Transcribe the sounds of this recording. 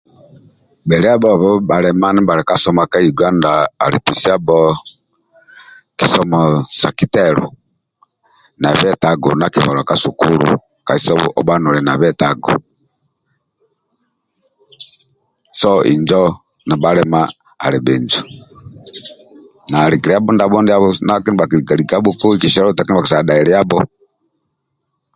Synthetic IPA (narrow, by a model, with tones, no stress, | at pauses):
bɛ˨ɾɛ˦a˦bɔ˦˨βɔ˦ba˨ɾɛ˦ma˦ni˦ba˨ɾɛ˨ka˦sɔ˦ma˨ka˦ju˨ɡa˦nda̰ː˨ɾḭ˨pi˨si˦a˦bɔ˦ | ki˨sɔ˦mɔ˨sa˨ki˦tɛ˦ɾṵ˨ | na˨βɛ˦ta˨ɡṵ˨na˨ki˨βɔ˨lɔ˨ka˦su˨ku˦lṵ˨ | ka˨i˨sɔ˦βɔ̰˦ʔɔ˦ba˦nu˨ɾɛ˨na˨βɛ˦ta˨ɡɔ̰˨ | sɔʔḭ˨ɲd͡ʒɔ | na˨baɾɛma̰ː˨ | ɾɛ˨bɛ˨ɲd͡ʒɔ | na˨ɾiɡi˨ɾɛa˦bɔ˦ndabɔ˦ndɛa˦βɔnaki˦ni˦ba˨ki˨ɾiɡa˨ɾiɡa˦bɔku˦iki˨ʃɛ˦ɾɔ˦ta˨kin˦ba˨ki˨sa˨ɗa˨iɾɛa˦bɔ